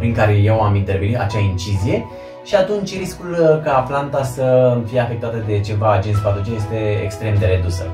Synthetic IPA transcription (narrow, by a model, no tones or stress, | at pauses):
pɾiŋkaɾe̞jewamint̪eɾvinia̰t͡ʃeaint͡ʃizije̞ | ʃiat̪unt͡ʃʲriskulkaplant̪asəfije̞afe̞k̚t̪at̪əd̪e̞t͡ʃe̞vaːd͡ʒe̞nt̪ʲpad̪ut͡ʃeje̞st̪e̞ḛkst̪ɾe̞md̪e̞ɾe̞d̪usə̰